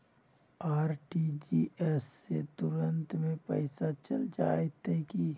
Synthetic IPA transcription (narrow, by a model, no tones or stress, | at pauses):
aːɾʈid͡ʒiːesːet̪ʊɾə̃nt̪mẽpə̰ɪsat͡ʃəld͡ʒa̰ːet̪eki